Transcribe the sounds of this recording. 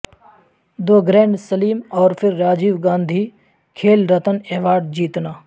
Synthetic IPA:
d̪oːɡɾẽːɳɖsɐliːmɔːɾpʰɪɾːaːd͡ʒiːʋɡãːnd̪ʱiː | kʰeːlɾət̪əneːʋaːɾɖ̚d͡ʒiːt̪naː

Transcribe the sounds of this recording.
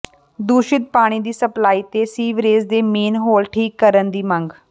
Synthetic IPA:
d̪uːʃɪt̪̚paːɽ̃iːd̪iːsəplaːiːt̪eːsiːʋɾeːzd̪eːmeːnɦoːlʈʰiːkːəɾənd̪iːməŋɡ

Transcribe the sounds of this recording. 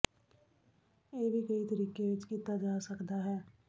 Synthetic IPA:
jeːbʱikɐit̪ɐɾiːkeːd͡ʒkiːt̪ad͡ʒaːsɐkd̪aɦɛː

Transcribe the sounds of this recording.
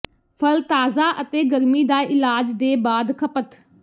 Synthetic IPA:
pʰəlt̪aːzaːʔət̪eːɡəɾmiːd̪aːʔɪlaːd͡ʒd̪eːbaːd̪kʰəpət̪

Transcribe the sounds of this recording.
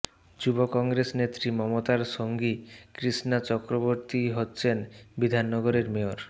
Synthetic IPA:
d͡ʑubokɔŋɡɾesnet̪ːɾimɔmot̪aɾʃoŋɡikɾisnat͡ɕɔkɾoboɾt̪iɦotːɕʰenbid̪ʱanːɔɡoɾeɾmeoɾ

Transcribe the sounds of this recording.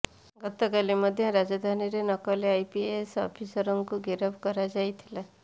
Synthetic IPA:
ɡɔt̪ɔkalemɔd̪ʱjɔɾad͡ʒad̪ʱaniɾenɔkɔleajpiesɔ̰pʰisɔɾɔŋkuɡeɾɔbkɔɾad͡ʒajt̪ʰi̥la

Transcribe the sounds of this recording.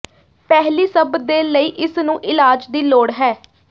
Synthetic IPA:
pɛɦliːsəbd̪eːləiːʔɪsnũːʔɪlaːd͡ʒd̪iːloːɽɦɛː

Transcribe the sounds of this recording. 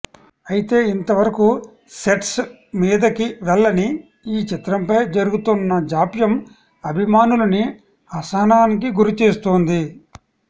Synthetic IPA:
ɐjit̪e̞ːint̪ɐʋɐɾɐku | se̞ʈs | miːd̪ɐkiʋɛlːɐni | iːt͡ʃit̪ɾɐmpɐjd͡ʒɐɾuɡut̪unːɐd͡ʒaːpjɐm | ɐbʱimaːnulɐni | ɐsɐɐnaːnikiɡuɾit͡ʃeːst̪oːnd̪i

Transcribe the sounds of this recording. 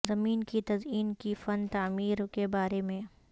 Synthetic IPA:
zɐmiːnkit̪ɐziːnkifɐnt̪aːmiːɾkebaːɾemẽ

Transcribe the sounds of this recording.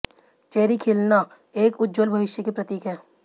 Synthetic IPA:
t͡ʃeːɾikʰeːlna | eːkʊd̪d͡ʒolbʱɐʋɪʃjəkepɾɐt̪iːkɦɛ̃ː

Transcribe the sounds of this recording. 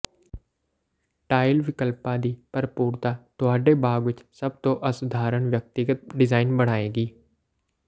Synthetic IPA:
ʈaːɪlʋɪkəlpãd̪iːpɐɾpuːɾt̪at̪oaːɖebaːɡʋɪt͡ʃsɐb̚t̪oʔɐsʊd̪ʱaːɾəɳ̃ʋjɐk̚t̪ɪɡət̪̚ɖɪzaːɪnbəɽ̤aːeːɡiː

